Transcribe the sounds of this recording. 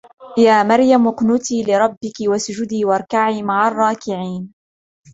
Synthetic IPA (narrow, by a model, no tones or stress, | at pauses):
jaːmɑɾjamʊqnʊt̪iːlɪɾˤɑbːɪkɪwasʊd͡ʒʊd̪iːwɑʔɑɾˤkaʕiːmaʕarˤːɑːkɪʕiːn